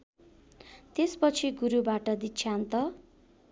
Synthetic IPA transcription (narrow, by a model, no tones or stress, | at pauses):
t̪espʌt͡sʰiɡuɾubaʈʌd̪it͡sʰant̪ʌ